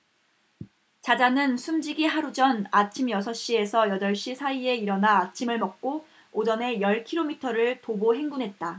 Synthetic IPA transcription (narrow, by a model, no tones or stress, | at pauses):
t͡ɕad͡ʑanɯnsʰumd͡ʑiɡiɦaɾud͡ʑʌnat͡ɕʰimjʌsʰʌɕ͈ie̞sʰʌjʌdʌɭɕ͈isʰaie̞iɾʌnaːt͡ɕʰimɯɭmʌk̚k͈o | od͡ʑʌne̞jʌɭkʰiɾomitʰʌɾɯɭtoboɦe̞ŋɡunɦe̞t̚t͈a